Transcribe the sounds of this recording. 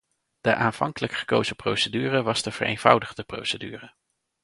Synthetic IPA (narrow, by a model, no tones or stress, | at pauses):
d̥əʔaːnv̥ɑ̰ŋkələkχə̥kowzəprowsədyːrəʋɑzdəv̥ərḛjnv̥ʌ̰wdəχdəpro̰wsədyːrə